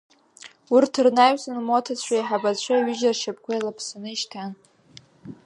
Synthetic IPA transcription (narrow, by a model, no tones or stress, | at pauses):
urtʰɨrnaɥsanmotʰat͡ɕʷʰajħabat͡ɕʷʰaɥɪʒarʃap̚ʰʼkʷʰajlapʰsanɨiʃtʰan